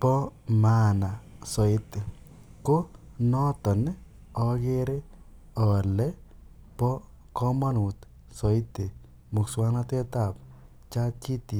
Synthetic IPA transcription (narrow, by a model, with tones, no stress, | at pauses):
pɔ˦ma˦na˨sɔ˨ɪ˦t̪e˨ | ko˦ | nɔ˦t̪ɔ˨nɪ˦ | ɔ˦ɡɪ˦ɾe˦ | ɔ˨lɛ˦ | pɔ˦ | kɔ˦ma˦nu˨t̪ | sɔ˨ɪ˦t̪e˨ | mʊ˨kswa˦nɔ˦t̪e˦t̪a˨p | t͡ʃa˦t͡ʃi˦t̪i˨